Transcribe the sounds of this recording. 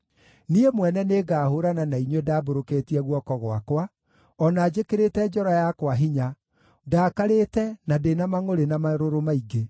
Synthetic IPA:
niemwɛnɛneːɡaːhoɾananaiɲwedaːboɾoketiɛɣwɔkɔɣoa̰kwa | ɔnaːd͡ʑekeɾetɛd͡ʒɔɾajakwaɦiɲa | daːkaɾetɛnadenamaŋoɾenamaɾoɾomaiɡe

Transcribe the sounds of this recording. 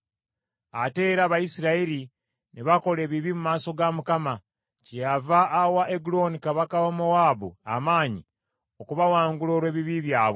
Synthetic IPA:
a̰te̞ːɾaβajisiɾaeɾi | neβako̞le̞ːβiβimumaːso̞ɡamukama | cejavaːwaʔeɡulo̞nikaβakawomowaːbṵa̰maːɲi | okuβawaːŋɡuloːɾwe̞ːβiβiβjaːβo

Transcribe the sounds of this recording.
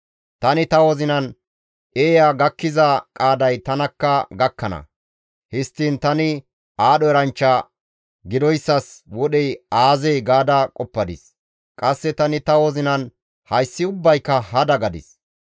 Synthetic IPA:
t̪ɐnɪt̪ɐwɔzɪnɐn | ʔeːjaɡɐkːɪzɐkʼaːd̪ɐjt̪ɐnɐkːɐɡɐkːɐnɐ̰ | hɪst̪ːint̪ɐnɪ | aːɗɔɛɾɐnt͡ʃːɐ | ɡɪd̪ɔjsːɐswɔɗɛjaːzɛjɡaːd̪ɐkʼɔpːɐd̪ɪ̰s | kʼɐsːɛt̪ɐnɪt̪ɐwɔzɪnɐn | hɐjsːɪʊbːɐjkːɐhɐd̪ɐɡɐd̪ɪ̰s

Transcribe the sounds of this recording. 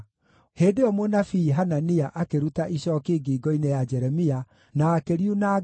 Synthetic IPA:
heːdeɔmonafiɦananiaʔakeɾutaʔiɕɔːkeːɡiːɡɔinejad͡ʒɛɾɛmia | naːkeɾiuna

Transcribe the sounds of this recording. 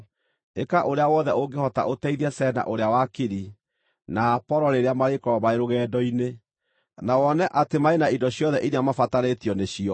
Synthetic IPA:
ḛkaʔoɾeawɔðɛʔoɡehɔta̰ʔotɛiðɛsɛna̰ʔoɾeawakeɾi | napɔɾɔɾeɾeamaɾekɔɾɔmaeɾoɣɛːdɔine | nawɔnɛʔatemaenaindɔɕjɔðɛʔiɾeamafataɾetjɔneɕiɔ

